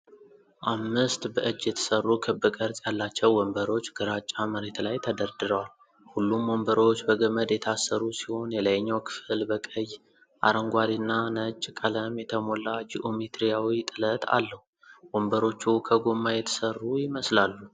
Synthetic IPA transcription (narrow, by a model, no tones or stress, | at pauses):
ʔamːɨst̪bəʔɨd͡ʒːjɛt̪ʰə̥sərːukʰɨbɨkʼəɾsʼjalːat͡ʃːɛwwɔmbəɾo̞t͡ʃːɡɨɾat͡ʃʼːaməɾe̞t̪lajt̪ʰəd̪əɾd̪ɨɾəwal | hulːumːombəɾo̞t͡ʃːbəɡəməd̪jɛt̪ʰasːəɾusiho̞njɛləjɲːawkʰɨ̥fɨlbəkʼəj | ʔa̰ɾəŋɡʷad̪inːanət͡ʃʼkʼələmjɛt̪ʰəmo̞lːad͡ʒiʔomet̪ɾijawit̪ʼɨlət̪ʰa̰lːəhu | wombəɾo̞t͡ʃːukʰəɡomːajɛt̪ʰə̥sərːujɪməslalːu